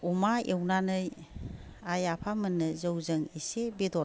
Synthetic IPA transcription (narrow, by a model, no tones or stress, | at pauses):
umaewnanɯj | ajapʰamɯnːɯzəwzɯŋisebidɔ